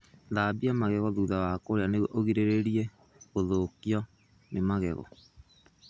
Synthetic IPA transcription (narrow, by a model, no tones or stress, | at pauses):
ðabiamaɣɛɣɔðuðawakoɾeaneɣwɔʔoɣiɾeɾeɾiɛ | ɣoðokiɔ | nemaɣɛ̰ɣɔ̰